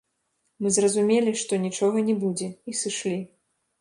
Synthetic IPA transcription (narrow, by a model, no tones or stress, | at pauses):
mɨzrɐzumʲelʲiʂt̪ɔnʲit͡ʂɔɣɐnʲɛbud͡zʲɛisɨʂlʲi